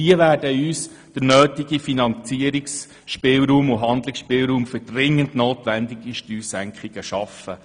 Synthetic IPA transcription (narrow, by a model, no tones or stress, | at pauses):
iəʋæːɾdəyːs | d̥əɾnøːtɪɡ̥ifinɑnt͡siəɾiks | ʃpɪːlɾuːmʊɦɑnd̪lɪksʃpɪːlɾuːmfʏd̥rɪŋːəndnoːtʋændiɡiʃtyːsæŋkχiɡ̥əʃɑfə